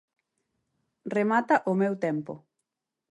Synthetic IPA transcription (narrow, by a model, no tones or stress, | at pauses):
remat̪aʔʊmewt̪ɛmpʊ̰